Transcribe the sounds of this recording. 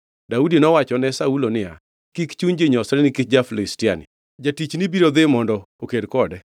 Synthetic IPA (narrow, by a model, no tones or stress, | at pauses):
daudinɔwat͡ʃɔnɛsaulonɪa̰ | kikt͡ʃuɲd͡ʒeɲɔsɾɛnɪkɪtd͡ʒaflɪstɪanɪ̰ | d͡ʒatit͡ʃnibiɾod̪ɪmɔndɔ | okedkɔdɛ